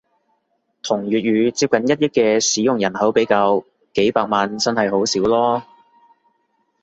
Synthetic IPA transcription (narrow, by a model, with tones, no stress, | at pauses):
t̪ʰʊ˨˩ŋjyː˨t̚jyː˨˧t͡siː˧p̚kɐ˨˥njɐ˥t̚jɐ˥t̚kɛː˧siː˨˥jʊ˨ŋjɐ˨˩nɦɐ˨˥wpe˨˥jkaː˧w | ke˨˥jpaː˧k̚maː˨nt͡sɐ˥nhɐ˨jho˨˥wsiː˨˥wlɔː˥